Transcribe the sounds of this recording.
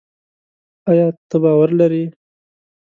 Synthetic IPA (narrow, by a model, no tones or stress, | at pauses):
ɑjɑːt̪əbɑːwaɾlaɾi